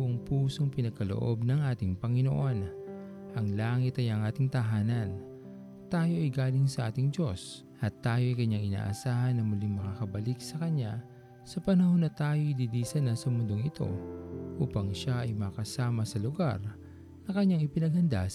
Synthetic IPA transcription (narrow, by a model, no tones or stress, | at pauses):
ʔoŋpuːso̞ŋpɪnɐɡ̚kɐlo̰ʔo̞̰bnɐŋʔaːt̪ɪŋpɐŋɪno̞̰ʔo̞n | ʔɐŋlaːŋɪt̪ɐjɐŋʔaːt̪ɪŋt̪ɐɦaːnɐn | t̪aːjo̞ʔɐjɡaːlɪŋsɐʔaːt̪ɪŋd͡ʒo̞s | ʔɐt̪ːaːjo̞ʔɐjkɐɲaŋɪna̰ːʔɐsaːhɐnːɐmʊlɪŋmɐkakɐbɐliksɐkɐɲːa | sɐpɐnɐho̞nːɐt̪aːjo̞ʔid̪idiːsɐnɐsɐmʊnd̪o̞ŋɪt̪o̞̰ʔuːpɐŋʃaʔɐjmɐkɐsaːmɐsɐlʊɡa̰ɾ | nɐkɐɲːaŋɪpɪnɐɡ̚hɐnd̪a̰